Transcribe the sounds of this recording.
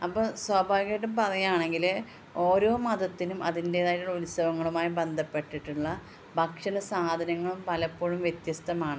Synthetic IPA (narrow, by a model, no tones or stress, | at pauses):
ɐpːoːswɐːbʱaːʋikɐʈːumpɐðɐjaːɳe̞ŋɡil | o̞ːɾo̞ːmɐd̪ɐt̪ːinumɐ̰ðinde̞ːðaːjuɭulisɐʋɐŋːɐɭumaːjibe̞nd̪ʱɐpːe̞ʈːiʈːuɭːɐ | bʱɐkʂɐnɐsaːd̪ʱɐnɐŋːɐɭumpɐlɐpːo̞ːɻumʋjet̪jɐst̪ɐmaːɳɨ